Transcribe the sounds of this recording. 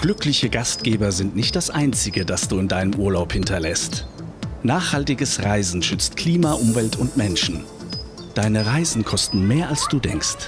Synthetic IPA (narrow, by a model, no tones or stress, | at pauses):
ɡ̥lʏklɪçəɡast̚ɡ̥eːbɐzɪntnɪçt̚d̥asʔaɪnt͡sɪɡədasd̥uːɪndaɪnəmʔuːɐlaʊphɪntʰɐlɛstnaːχhaltɪɡəsʁaɪzn̩ʃʏt͡stkʰl̥iːmaʔʊmvɛltʰʊntmɛnʃn̩ | d̥aɪnəʁaɪzn̩kʰɔstn̩meːɐalsd̥uːdɛ̰ŋkst